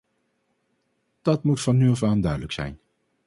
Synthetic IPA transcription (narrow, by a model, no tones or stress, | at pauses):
d̥ɑtmutfɑnːyɔfaːndœɥdələksɛ̰jn